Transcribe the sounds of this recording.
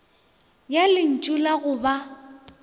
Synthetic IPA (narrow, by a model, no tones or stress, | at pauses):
jalɪn̩t͡ʃʼulaɣʊba